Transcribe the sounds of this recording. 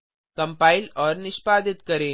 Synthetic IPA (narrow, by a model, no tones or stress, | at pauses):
kɐmpaːɪlɔːɾnɪʃpaːd̪ɪt̪kɐɾẽː